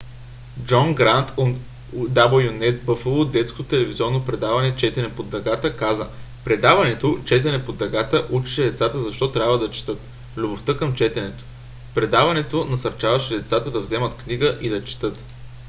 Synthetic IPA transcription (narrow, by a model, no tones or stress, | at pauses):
d͡ʒɔnɡɾant̪ʰo | d̪abəlˠjonɛt̪̚bɤfəlˠod̪d̪ɛt̪skot̪ot̪ɛlɛvizɔɾnopɾɛd̪avɐnɛt͡ʃɛt̪ɛnɛpod̪ɾɐɡat̪əkazə | pɾɛd̪avɐnɛt̪ot͡ʃɛt̪ɛnɛpod̪ɾɐɡat̪əʔut͡ʃi̥ʃɛd̪ɛt̪sat̪əzɐʃt̪ɔt̪ɾʲabvəd̪ɐt͡ʃɛ̥t̪ɤt̪ | lʲʊboft̪ɤkəmt͡ʃɛt̪ɛnɛt̪o̥ | pɾɛd̪avɐnɛt̪onɐsɐɾt͡ʃavɐʃɛd̪ɛt̪sat̪əd̪ɐvzɛmət̪kniɡəʔid̪ɐt͡ʃɛ̥t̪ɤt̪